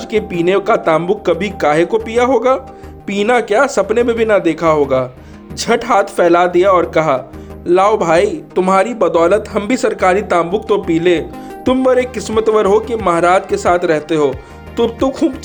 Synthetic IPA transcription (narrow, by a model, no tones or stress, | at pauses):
d͡ʒkepiːnekat̪ãːmbʊkːɐbʱikaːɦekopiːjaɦoːɡaː | piːnakjaːsɐpnebʱebʱinad̪eːkʰaɦoːɡaː | d͡ʒʱɐʈɦaːt̪ʰfɛːlad̪ijaɔːɾkɐɦaːlaːobʱaːit̪ʊmɦaːɾibɐd̪ɔːlət̪ɦɐmbʱisɐɾkaːɾit̪ãːmbʊkt̪opiːleː | t̪ʊmʋɐɾekːɪsmət̪ʋəɾɦokimɐɦɾaːd͡ʒkesaːt̪ʰɾɛɦt̪eɦoː | t̪ʊt̪ʊkʰuːb